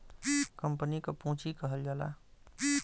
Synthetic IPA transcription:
kəmpənikepũːt͡ʃikəɦəld͡ʒala̰

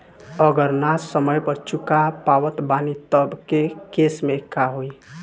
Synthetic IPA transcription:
əɡəɾnasːəməjpəɾt͡ʃukapawət̪banit̪əbkekesmekːaɦoi

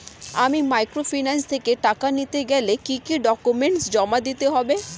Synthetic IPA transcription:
a̰mimajkɾofinanst̪ʰekeʈakanit̪eɡɛlekikiɖɔkumeɳʈsd͡ʑɔmad̪it̪eɦɔbe

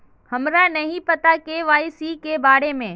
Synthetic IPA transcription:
hɐmɾanɐɦĩpɐt̪akeʋaːɪsikebaːɾemẽː

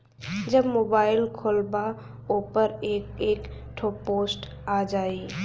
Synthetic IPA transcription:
d͡ʒɐbmoːbaːɪlkʰoːlba | opəɾeːkeːk | ʈʰoːpoːsʈ | aːd͡ʒaːi

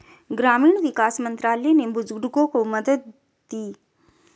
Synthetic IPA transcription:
ɡɾamiɳʋɪkasmənt̪ɾalenebʊd͡ʒɡɽɡokoməd̪ət̪̚ | d̪i

